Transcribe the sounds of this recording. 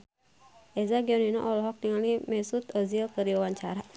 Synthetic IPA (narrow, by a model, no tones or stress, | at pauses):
ʔɛzaɡiɔninɔ̰ʔɔlɔɦɔk̚t̪iŋalnimɛsut̪ɔzilkədiwawaɲt͡ʃaɾa